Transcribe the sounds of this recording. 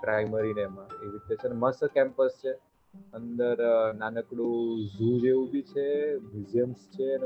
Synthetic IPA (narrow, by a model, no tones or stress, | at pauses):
pɾajməɾineemãeʋit̪et͡ʃʰenməskɛ̃mpəst͡ʃʰe | ənd̪əɾnanəkɽũzud͡ʒeʋũbʱit͡ʃʰebizəmst͡ʃʰen